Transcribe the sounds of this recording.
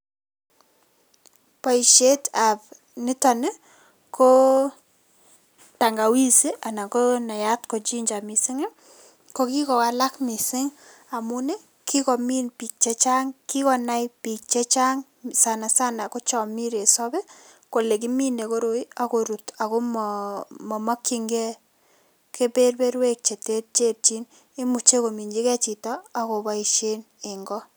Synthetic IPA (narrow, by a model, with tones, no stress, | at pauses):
pa˨i˨ʃe˦ta˨p̚ | nɪ˦ta˨nɪ˦ | kʰo˦ | ta˨ŋɡa˨wi˦si˦ʔa˨na˨ko˦na˨ja˦tko˨t͡ʃi˦ɲd͡ʒa˨mɪ˨sɪ˦ŋe˦ | ko˦ki˦kɔ˨ka˨la˦kmi˨sɪ˦ŋ | a˨mʊ˦nɪ˦ | ki˦kɔ˨mi˦npi˨k̚t͡ʃɛ˦t͡ʃa˦ŋki˦kɔ˨na˦jpi˨k̚t͡ʃe˦t͡ʃa˦ŋ | sa˨na˨sa˦na˨ko˦t͡ʃɔ˨mi˦ɾe˨sɔ˦be˦ | ko˨le˨k̬i˦mi˦ne˨ko˦ɾo˦i˦a˨ko˨ɾu˨ta˨ko˦m | mɔ˨mɔ˦kːi˦ŋɡɛ˦ | ke˦pe˦rbe˦ɾwe˦k̚t͡ʃe˨te˦tt͡ʃe˦ɾt͡ʃi˦n | e˦mu˨t͡ʃe˦ko˨mi˨ɲd͡ʒi˦kɛ˦t͡ʃi˨tɔ˦a˨ko˨ba˦i˨ʃe˦n | e˨ŋɡɔ˦